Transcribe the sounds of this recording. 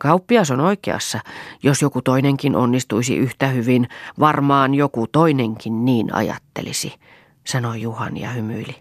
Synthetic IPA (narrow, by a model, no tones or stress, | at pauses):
kɑupːiɑsonoikeɑ̰sːɑjosjokut̪oineŋkinʔo̰nːist̪uisḭʔyht̪æhyʋinʋɑrmɑːnjokut̪oineŋkinniːnɑ̰jɑ̰t̪ːḛlḭsi | sɑnojuhɑ̰njɑ̰hymyili